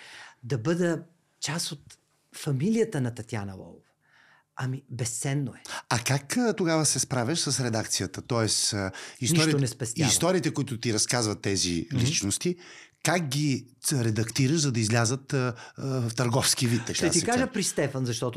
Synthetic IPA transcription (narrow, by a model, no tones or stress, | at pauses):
d̪ɐbɤd̪ə | t͡ʃasot̪ | fɐmilijət̪ənɐt̪ɐt̪ʲjanɐ̰lˠɔ̰lˠovɐ | ɐmibɛst̪sɛnːoɛɐkakt̪oɡavəsɛspɾavʲɐʃsəsɾɛd̪ak̚t̪sijət̪ət̪ɔɛsisnɔɾiʊnɛspɛst̪isɔɾiːt̪ɛkʊit̪ʊt̪iɾɐskazvɐt̪ːɛzḭlit͡ʃnost̪ikak̚ɡʲi | ɾɛd̪ɐkt̪iɾəʃzɐd̪ɐizlʲazət̪ | ft̪ɐɾɡɔfsk̟ivit̪ːɐkaɐt̪iskaʒəpɾist̪ɛfɐnzɐʃt̪ɔt̪o